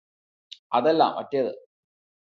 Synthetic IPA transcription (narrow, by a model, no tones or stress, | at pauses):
ɐðɛlːa̰ːmʔɐtːɐjɐðɨ̰